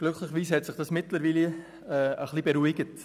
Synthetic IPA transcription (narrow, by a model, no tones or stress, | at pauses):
ɡ̥lʏkχlɪχəʋiːshɛtsɪχd̥ɑsmɪtləɾʋiːli | ɛəχlibeɾuɪɡət